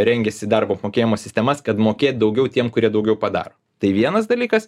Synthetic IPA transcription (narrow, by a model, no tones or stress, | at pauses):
ɾʲɛŋʲɡʲɛsʲɪd̪ɐɾboːɐpmoːkʲeːjɪmoːsʲɪsʲt̪ʲɛmɐskɐt̪moːkʲeːt̪̚ʲd̪ɐʊɡʲɛʊt̪ʲiɛmkʊɾʲiɛd̪ɐʊɡʲɛʊpɐd̪ɑ̰ːɾoː | t̪ɐɪʋʲiɛnɐsd̪ɐlʲiːkɐs